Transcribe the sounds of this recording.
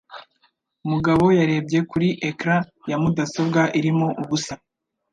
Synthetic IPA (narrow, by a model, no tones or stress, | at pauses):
umuɡaβo̞jaɾe̞b̚ɟe̞kuɾiʔekɾajamudaso̞bɡaʔiɾimoʔuβusa